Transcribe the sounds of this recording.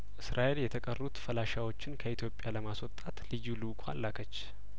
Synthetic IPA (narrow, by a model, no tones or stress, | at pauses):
ʔɨsɾʔaʔe̞ljɛt̪ʰəkʼərːut̪fəlaʃawo̞t͡ʃːɪnkʰəit̪ʰjo̞pʼjaləmaswɔt̪ʼat̪lɨjulukʰa̰lːakʰət͡ʃː